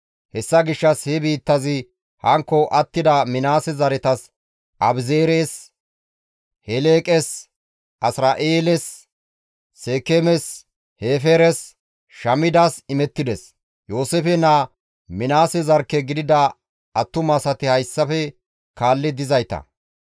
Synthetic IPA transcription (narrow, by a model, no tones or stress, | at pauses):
hɛsːɐɡɪʃːɐshɛbiːt̪ːɐzɪ | hɐŋkːɔʔɐt̪ːɪd̪ɐmɪnaːsɛzɐɾɛt̪ɐs | ʔɐbzeːɾeːs | hɛleːkʼɛs | ʔɐsɾaːʔeːlɛsː | e̞ːkemɛs | heːfeɾɛs | ʃɐmɪd̪aːsɪmɛt̪ːɪd̪ɛs | jo̞ːsefɛna | mɪnaːsɛzɐɾkːɛɡɪd̪ɪd̪ɐ | ɐt̪ːʊmɐsɐt̪ɪhɐjsːɐfɛ | kaːlːɪd̪ɪzɐjt̪ɐ̰